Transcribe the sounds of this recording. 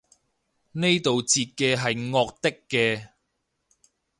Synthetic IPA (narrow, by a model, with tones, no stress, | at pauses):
ne˥jt̪o˨wt͡siː˧t̚kɛː˧ɦɐ˨jŋɔː˧k̚t̪ɪ˥kːɛː˧